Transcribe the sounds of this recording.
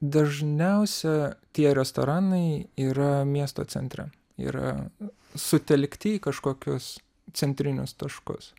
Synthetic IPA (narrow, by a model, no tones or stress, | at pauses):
d̪ɐʒʲnʲɛʊsʲɛt̪ʲiɛɾʲɛst̪oːɾɑːnɐɪiːɾɐmʲiɛst̪oːtsʲɛ̰nʲt̪ʲɾʲɛ̰ | ḭːɾɐ̰ | sʊt̪ʲɛlʲkt̪ʲɪiːkɐʃkoːkʲʊs | t͡s̪ʲɛnʲt̪ʲɾʲɪnʲʊst̪ɐʃkʊ̰s